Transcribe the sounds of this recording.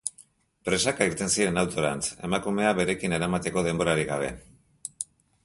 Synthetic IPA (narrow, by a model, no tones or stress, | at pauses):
pɾe̞sakaiɾt̪e̞nsiɾe̞nawt̪o̞ɾa̰nt͡se̞̰makume̞aβe̞ɾe̞kine̞ɾamat̪e̞ko̞ð̞e̞mbo̞ɾaɾiɣaβ̞e̞̰